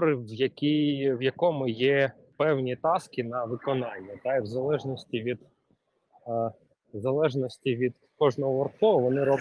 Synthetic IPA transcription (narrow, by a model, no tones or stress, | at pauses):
ɾɪʋjɐkʲiʋjɐkɔmʊjɛ | pɛwnʲit̪ɑskɪnɐʋɪkɔnɑnʲːɐt̪ɑiwzɐlˠɛʒnɔsʲtʲiʋʲid̪ | zɐlˠɛʒnɔsʲtʲiʋʲid̪ | kɔʒnɔɦɔʋɔrkɔɦɔʋɔnɪɾɔb